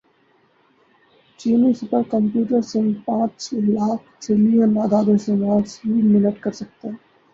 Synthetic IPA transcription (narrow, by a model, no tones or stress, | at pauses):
t͡ʃiːnisʊpəɾkə̃mpjuːʈəɾsɪ̃ŋɡpãːt͡ʃlaːkʰʈɪlijə̃naːd̪aːd̪əsɪ̃ŋaːɾsɦiːmɪnəʈkɐɾsɐk̚t̪e